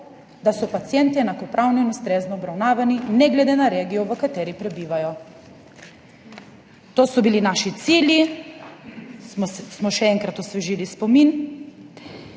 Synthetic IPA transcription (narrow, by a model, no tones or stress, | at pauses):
d̪asɔpat̪sijɛnt̪iɛnakɔpɾʔawnɔinust̪ɾeːznɔːbɾawnaːʋaninɛɡlɛd̪enaɾeːɡijɔʋəkat̪ɛːɾipɾɛbiːʋajɔ | t̪oːsɔbilinaːʃit̪siːlji | smɔʃɛɛŋkɾat̪ɔsʋɛʒiːlispɔmin